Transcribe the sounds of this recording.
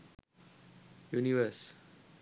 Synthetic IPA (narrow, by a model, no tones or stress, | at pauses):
juniʋəs